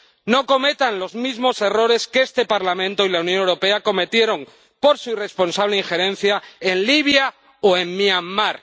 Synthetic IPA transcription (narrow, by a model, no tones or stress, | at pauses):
no̞ko̞me̞t̪anlo̞zmizmo̞se̞ro̞ɾe̞skeest̪e̞paɾlamẽ̞nt̪oilaunjo̞newɾo̞pe̞ako̞me̞t̪je̞ɾo̞ŋ | po̞ɾsuire̞spo̞nsaβleiŋxe̞ɾẽ̞n̟θjae̞nliβja | oe̞mːiamːaɾ